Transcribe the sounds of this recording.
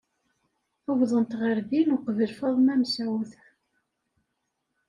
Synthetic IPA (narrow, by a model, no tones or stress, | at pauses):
əwðˤənt̪ʁəɾbinʊqvəlfɑðˤmæmsæwθ